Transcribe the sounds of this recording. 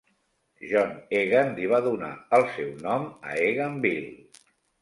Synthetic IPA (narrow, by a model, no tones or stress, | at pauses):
ʒɔneɣənliβ̞aðuna̰əlˠsɛwnɔmə̰eɣəmbil